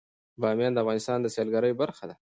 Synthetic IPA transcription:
bɑmjɑnd̪əavɣɑnɪst̪ɑnd̪əsjɑlɡaɾəjobaɾxad̪a

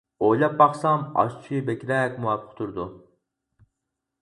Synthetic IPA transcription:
ojlˠɑp̚bɑχsɑmɑ̰ʃt͡ʃʰibɛkʲɾɛkʲmuɑpʰːə̥qt̪ʰuɾd̪u

